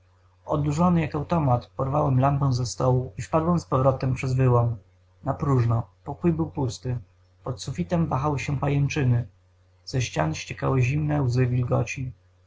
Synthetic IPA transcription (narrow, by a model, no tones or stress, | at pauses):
ɔd̪uʐɔnɘjakawt̪ɔmat̪pɔɾvawɛmlampɛ̃w̃zɛst̪ɔwuifpad̪wɛmspɔvɾɔt̪ɛmpʂɛzvɘwɔm | napɾuʐnɔpɔkujbɘwpust̪ɘ | pɔt̪sufʲit̪ɛmvaxawɘɕɛpajɛnt͡ʂɘnɘ | z̥ɛɕt͡ɕa̰nɕt͡ɕɛka̰wɘʑimnɛwzɘvʲilɡɔ̰t͡ɕi